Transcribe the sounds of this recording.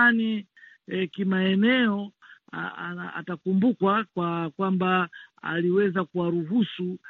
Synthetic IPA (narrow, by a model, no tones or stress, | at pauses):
ani | kimaɛnɛɔaa̰aa̰takumbukwakwakwambaa̰liwɛzakuwaɾuɦusu